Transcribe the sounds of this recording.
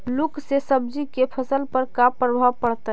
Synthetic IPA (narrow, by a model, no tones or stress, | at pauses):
luksesəb̚d͡ʒikepʰəsəlpəɾkapːɾəbʱaʋpəɽt̪ə